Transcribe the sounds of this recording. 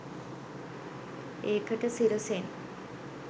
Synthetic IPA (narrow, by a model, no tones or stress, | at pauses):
eːkəʈəsiɾosen